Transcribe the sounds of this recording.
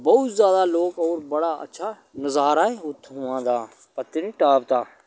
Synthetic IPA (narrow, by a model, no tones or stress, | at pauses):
bɔʊt̪zjaːd̪aːloːkɔːɾbəɽaːə̰tːʃʰaː | nəzaːɾaːeʊt̪ʰːɦʊãːd̪aː | pət̪ːɪniʈaːp̚t̪aː